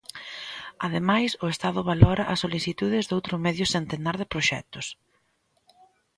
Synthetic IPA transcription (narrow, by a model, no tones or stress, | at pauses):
aðemajsʊest̪að̞ʊβalɔɾɐʔɐsːoliθit̪uðɪzðowt̪ɾʊmɛðjʊsent̪enaɾðɪpɾoʃɛ̰t̪ʊs